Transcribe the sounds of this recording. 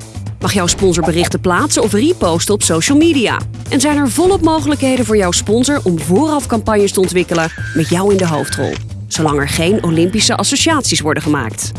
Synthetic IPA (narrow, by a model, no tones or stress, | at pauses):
mɑχjɔwspɔnzəɹbərɪχtəplaːtsənɔfripowstəɔpsowʃəl̩ˠmiːdia̰ː | ʔɛnzɛjnɛɹvɔlˠɔp̚mowχələkɦejdənvʊːɹjɑwspɔnzəɹʔɔmvʊːrɑfkɑmpɑɲjəstəɔntʋɪkələmɛtjʌwɪndəɦowftrɔ̰lˠ | z̥owlɑŋɛɹχejnowlɪmpisəʔɑsoʃiaːtsisʋɔɹdəχəma̰ːkt